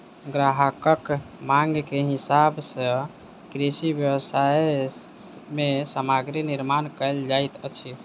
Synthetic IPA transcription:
ɡɾaɦəkəkmaŋɡkeɦisabsə | kɾisibjəwsae | mesəmaɡɾeniɾmankəld͡ʒajt̪ət͡ʃʰi

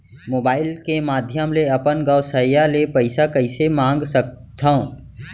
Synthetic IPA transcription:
moːbaːɪlkemaːd̪ʱjəmleɐpənɡəːsəjalepɐɪsakɐɪsemãːŋɡsək̚t̪ʰõ

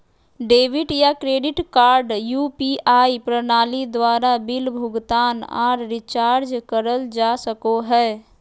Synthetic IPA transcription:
ɖeːʋɪʈjakɾeːɖɪʈkaːɾɖjupiʔaːipɾənaːlid̪waːɾabɪlbʱʊɡt̪aːna̰ːɾːɪt͡ʃaːɾd͡ʒkəɾəld͡ʒasəkoɦɛː

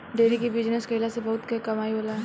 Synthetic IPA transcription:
d̪eːɾikibid͡ʒnəskəilasebɐɦʊt̪kekɐmaːiboːlaɦɛ

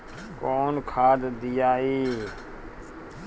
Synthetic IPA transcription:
koːnkʰaːd̪d̪ɪjaːiː

